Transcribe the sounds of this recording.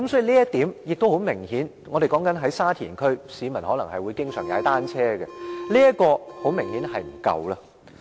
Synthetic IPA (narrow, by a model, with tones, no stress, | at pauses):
kɐ˦msɔː˨˥ji˨˧liː˥jɐ˥t̪iː˨˥mjɪ˨k̚t̪o˥who˨˥wmɪ˨˩ŋhiː˨˥n | ŋɔː˨˧ɾe˨jkɔː˨˥ŋkɐ˨˥nɦɐ˨˥jsaː˥t̪ʰiː˨˩nkʰɵ˥ɥsiː˨˧mɐ˨˩nhɔː˨˥lɐ˨˩ŋhɐ˨jwuː˨˧jkɪ˥ŋsœː˨˩ŋja̰ː˨˧jt̪aː˥nt͡sʰɛː˥ɡɛ̰˧liː˥jɐ˥t̚kɔː˧ho˨˥wmɪ˨˩ŋhiː˨˥nhɐ˨jm̩˨˩kɐ̰˧wlɐː˧